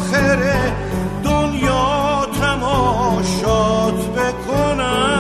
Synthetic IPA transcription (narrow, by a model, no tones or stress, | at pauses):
xeɾe | d̪onjɔːt̪ʰæmɔːʃɒːt̪bekʰonæ